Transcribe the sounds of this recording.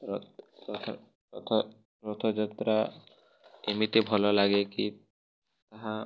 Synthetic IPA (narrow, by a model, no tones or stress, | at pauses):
ɾɔɔt̪ʰ | t̪ʰo | pɾɔt̪ʰod͡ʑat̪ɾa | emit̪ebʱɔlolaɡeki | t̪aɦa